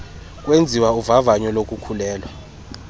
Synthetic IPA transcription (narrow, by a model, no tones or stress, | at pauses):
k̬ʼwend͡zʱiwauvavaɲɔlok̬ʼukʰulɛːlwa